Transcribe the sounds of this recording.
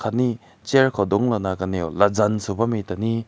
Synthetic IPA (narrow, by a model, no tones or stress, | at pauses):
kʰani | t͡ʃeɾkʰɔdɔŋlɔnakanijolazansubamitani